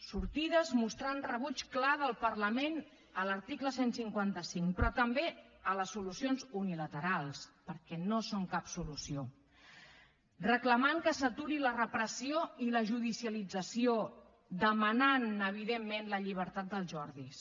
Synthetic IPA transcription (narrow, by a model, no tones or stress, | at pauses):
suɾt̪iðəzmust̪ɾanrəβut͡ʃklaðəlˠpəɾləmen | ələɾt̪ikləsensiŋkwant̪əsiŋpɾɔt̪əmbeələsːulusionzunilət̪əɾalˠspəɾkɛnosoŋkapsulusio | rəkləmaŋkəsət̪uɾilərəpɾəsioiləʒuðisiəlid͡zəsio | d̪əmənanəβ̞iðemːenləʎiβ̞əɾt̪at̪̚d̪əlˠʒɔɾðis